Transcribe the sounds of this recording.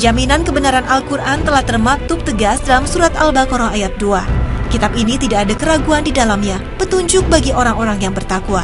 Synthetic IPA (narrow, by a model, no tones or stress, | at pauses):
d͡ʒaminankəbənaɾanʔalkurʔant̪əlaht̪ərmak̚t̪ʊp̚t̪əɡasdalamsuɾat̪albakoɾɔŋajat̪̚duakit̪abinit̪idaːdakəɾaɡuandidalamɲa | pət̪uɲd͡ʒʊk̚baɡiʔoɾaŋoɾaŋjaŋbərt̪akua